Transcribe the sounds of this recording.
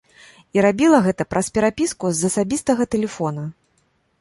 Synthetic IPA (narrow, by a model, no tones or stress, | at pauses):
iɾabʲilˠɐɣɛt̪ɐpɾɐspʲɛɾapʲiskuzɐsabʲist̪ɐɣɐt̪ɛlʲɛfɔnɐ